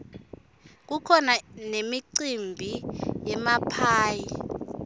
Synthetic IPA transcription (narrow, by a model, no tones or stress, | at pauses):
k̬ukʰɔnanemiǀimbʱijɛmapʰaːji